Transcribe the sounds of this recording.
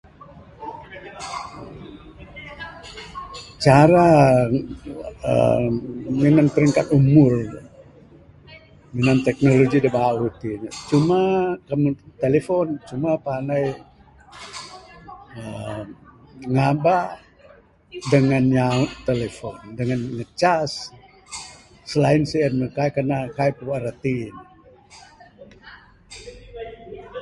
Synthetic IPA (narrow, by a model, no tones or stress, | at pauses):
t͡ʃaɾa | ə̰ | minanpəɾiŋkat̪umʊr | minant̪ɛk̚noloɡidəbawut̪it͡ʃumakəmut̪elefont͡ʃumapanaj | ə | ŋabaʔ | dəŋanjautt̪elefondəŋanŋət͡ʃas | səlainsəanməkaikanakaipəaɾət̪in